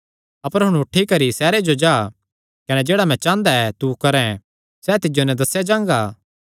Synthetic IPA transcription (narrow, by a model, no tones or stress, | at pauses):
ɐpəɾɦʊ̃ɽ̃ʊʈʰːikɐɾisɛːɾed͡ʒod͡ʒaː | kɐnɛd͡ʒeːɽamɛ̃t͡ʃãːnd̪aɛt̪ukɐɾɛ̃ | sɛt̪ɪd͡ʒonɛ̃d̪ɐsjad͡ʒãːŋɡaː